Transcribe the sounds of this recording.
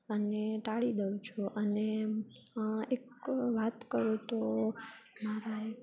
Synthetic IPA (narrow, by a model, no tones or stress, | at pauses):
əneʈaɭid̪əũt͡ʃʰuʔəne | ekʋat̪kəɾũt̪o | maɾae